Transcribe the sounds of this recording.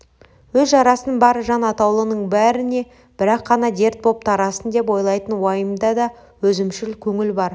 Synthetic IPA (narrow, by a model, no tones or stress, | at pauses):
wɵzʒɑɾɑsənnbɑɾəʒɑnɑt̪ɑwlˠənəɴbæɾɪne̞ | b̥ɪɾɑqːɑnɑd̪e̞ɾt̪̚bo̞p̚t̪ʰɑɾɑsənd̪e̞p̬o̞jlˠɑjt̪ənwɑjəmd̪ɑd̪ɑ | wɵzɪmʃɪlkʲʰɵŋɪlbɑɾ